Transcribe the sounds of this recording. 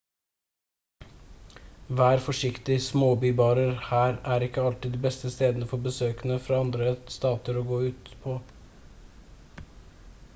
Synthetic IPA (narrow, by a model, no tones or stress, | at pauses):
ʋæːɾfɔʂɪkt̪ɪsmoːbyːbɑːɾəɾhæːɾæːɾɪkːəɑlt̪ɪd̪iːbɛst̪əst̪eːd̪nəfɔbəsøːkənəfɾɑːɑnd̪ɾəst̪ɑːt̪əɾoːɡoːʉːt̪pʰoː